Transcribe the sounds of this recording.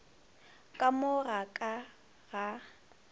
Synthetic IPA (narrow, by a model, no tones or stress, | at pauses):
kʼamʊɣakʼa | ɣa